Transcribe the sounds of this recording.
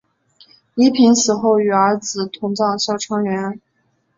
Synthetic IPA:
i˧˥pʰi˧˥nsɹ̩˨˩xo˥˩ʊy˨˩ə˞˧˥t͡sɹ̩˨˩t̪ʰʊ˧˥ŋt͡sɑ˥˩ŋɕjɑ˥˩ʊʈ͡ʂʰɑ˥ŋɥɛ˧˥n˧˥

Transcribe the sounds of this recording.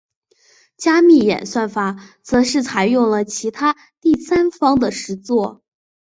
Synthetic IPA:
t͡ɕja˥mi˥˩jɛ̰˨˩nswa˥˩nfa˧˥t͡sɤ˧˥ʂɻ̩˥˩t͡sʰa˧˩ɪjʊ˥˩ŋlə˩t͡ɕʰi˧˥t̪ʰa˥ | t̪i˥˩sa˥nfɑ˥ŋd̪ə˨ʂɻ̩˧˥t͡swɔ˥˩

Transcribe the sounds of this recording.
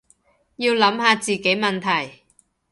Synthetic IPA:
jiː˧wlɐ˨˥mhaː˨˧t͡siː˨˩ke˨˥jmɐ˨nt̪ʰɐ˨˩j

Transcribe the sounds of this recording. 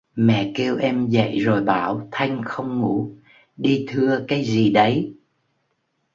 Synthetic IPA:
mɛ̰˧˨ke˧wʔɛ˧mzə̰˧˨jzo˨˩jɓaː˧˩wt̪ʰa˧jŋ̟xə˧wŋ͡mŋu˧˩˥ | ɗi˧t̪ʰɨ˧əkaː˨˦jzi˨˩ɗə˨˦j

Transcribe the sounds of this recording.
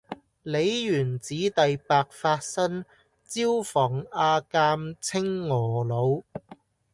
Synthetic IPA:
le˨˧jjyː˨˩nt͡siː˨˥t̪ɐ˨jpaː˧k̚faː˧t̚sɐ˥n | t͡siː˥wfɔː˨˩ŋaː˧kaː˧mt͡sʰɪ˥ŋːɔː˨˩lo˨˧w

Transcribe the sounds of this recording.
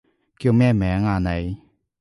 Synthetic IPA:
kjo˧˨mɛ˥˨mɛ˨˦ŋaː˧˨na˨j

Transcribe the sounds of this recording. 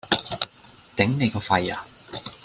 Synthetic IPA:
t̪e˨˥ŋne˨˧jkɔː˧fɐ˧ja̰ː˨

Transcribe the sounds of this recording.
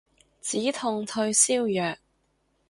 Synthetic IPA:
t͡siː˨˥t̪ʰʊ˨ŋt̪ʰɵ˧ɥsiː˥wjœː˨k̚

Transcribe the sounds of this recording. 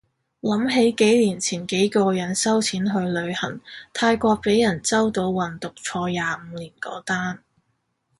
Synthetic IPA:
lɐ˨˥mɦe˨˥jke˨˥jliː˨˩nt͡sʰiː˨˩nke˨˥jkɔː˧jɐ˨˥nsɐ˥wt͡sʰiː˨˥nɦɵ˧ɥlɵ˨˧ɥhɐ˨˩ŋt̪ʰaː˧jkʷɔː˧k̚pe˨˥jɐ˨˩nt͡sɐ˥wt̪o˨˥wwɐ˨nt̪ʊ˨k̚t͡sʰɔː˧jaː˨˧m̩˨˧liː˨˩nkɔ̰ː˨˥t̪aː˥n

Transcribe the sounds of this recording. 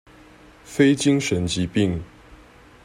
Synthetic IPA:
fe˥˦ɪt͡ɕi˦ŋʂə˨˥nt͡ɕi˨˦pi˥˨ŋ

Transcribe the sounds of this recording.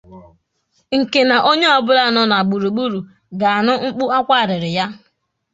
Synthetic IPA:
ŋ̩˨ke˨na˨ʔo˦ɲe˦ɔ˨bʊ˦ɾa˦˨nɔ˦na˨ɡ͡bu˨ɾu˨ɡ͡bu˦ɾu˨ | ɡa˨a˨nʊ˦ŋ͡m̩˦k͡pʊ˦a˦kʷa˦˨ɾɪ˨ɾɪ˨ja˦

